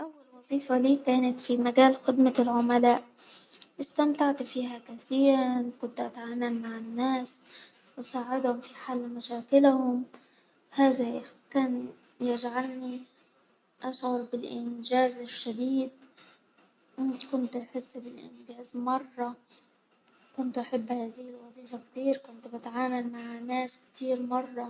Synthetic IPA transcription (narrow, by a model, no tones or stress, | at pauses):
ʔawːalwɑzˤiːfaliːkaːnat̪fimaɡaːlxɪd̪malʕʊmalaːʔʔɪst̪amt̪aʕt̪fiːhakaθiːɾnkʊnt̪ʔat̪ʕaːmalmaʕɪnːaːs | wɪsaːʕɪd̪hʊmfiħalːmaʃaːkɪlhʊm | haːðakaːnjɪd͡ʒʕalni | ʔaʃʕʊɾbɪlʔɪnd͡ʒaːzɪʃːad̪iːd̪ | ʔɪnt̪kʊnt̪ħɪsːbɪlʔɪ̰nbjaːzmɑrˤːɑ | kʊnt̪ʔaħɪbːhaːzɪhɪlwɑziːfakt̪iːɾkʊnt̪bɪt̪ʕaːmalmaʕnːaːskt̪iːɾmɑrˤːɑ